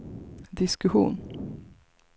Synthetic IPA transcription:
d̪ɪskɵɧṵːn

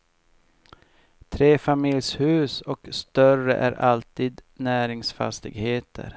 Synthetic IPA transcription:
t̪ʰɾeːfamɪljshʉ̟ːsɔkst̪œrə̰ʔæ̰ɾʔalt̪iːd̪næːɾɪŋsfa̰st̪ɪ̰ɡheːt̪ʰə̰ɾ

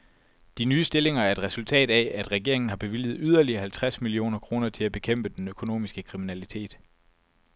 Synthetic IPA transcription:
d̥inyːsd̥e̝le̝ŋɐæɐe̝d̥ʁɛsult͡sʰɛ̰ːd̥ææd̥ʁɛɡ̥e̝ɐ̰eŋn̩ɦɑ̈b̥e̝ʋil̰ð̩ˠyð̞ˠɐliɐɦælt͡sʰʁasmilio̝̰ːnɐkʰʁo̝ːnɐt͡sʰe̝læb̥e̝kʰem̰b̥əd̥enøkʰo̝no̝̰ːmisɡ̥əkʰʁiminælit͡sʰe̝̰ːd̥

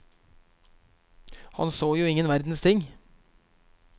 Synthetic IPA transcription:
hɑ̰nsoːjuːɪŋənʋæɾd̪n̩st̪ʰɪŋ

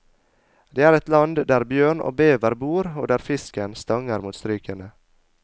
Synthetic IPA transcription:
d̪eːæːɾɛt̪lɑnd̪d̪æːɾbjøːɳo̰ːbeːʋəɾbuːɾo̰ːd̪æːɾfɪskənst̪ɑŋəɾmuːt̪st̪ɾyːkənə

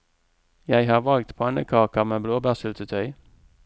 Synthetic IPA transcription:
jæɪhɑːʁʋɑlɡ̚t̪pʰoːɛnəkʰɑːkəʁmeːbloːbæːʁsʉːt̪ət̪ʰœʏ

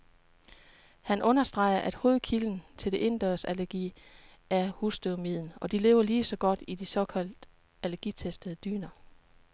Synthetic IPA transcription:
hænʔɔ̽nɐsd̥ʁɑ̈ɪ̰ɐʔæd̥ho̝ːð̩ˠkʰiln̩t͡sʰe̝ld̥e̝ʔe̝nd̥ɐsælæɐɡ̥ḭː | æɐhusd̥ømið̰ˠn̩ɒ̽d̥ile̝̰ːʊɐliːsɒ̽ɡ̥ɒ̽d̥id̥isɒ̽kʰæl̰d̥ | ælɐɡ̥iːt͡sʰesd̥əð̞̩ˠəd̥y̰ːnɐ

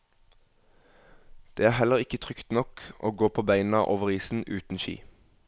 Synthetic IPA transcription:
d̪̥eːæːhɛləʁɪkət̪ʰʁʏkt̪nɔkʔo̰ːɡoːpʰoːbæɪnn̩ɑ̰ːʔoːʋəʁiːsn̩ʉːt̪n̩ʃḭː

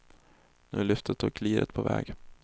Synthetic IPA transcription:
nʉːlʏft̪ʰət̪ʰːuːkʰliːɾət̪pʰɔvɛ̰ːɡ

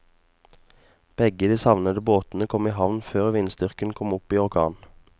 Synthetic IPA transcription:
b̥ɛɡəd̪iːsɑʋnəd̪əboːt̪n̩əkʰɔmiːhɑʋnføːʁʋɪnst̪ʏʁkənkʰɔmʊpiːɔʁkʰɑ̰ːn

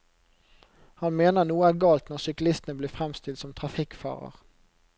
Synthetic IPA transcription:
hɑnmeːnəʁnuːəæːʁɡɑːlt̪nɔʁsʏklɪst̪ənəbliːfʁɛmst̪ɪlt̪sɔmt̪ʰʁɑfɪkfɑ̰ːʁə̰ʁ

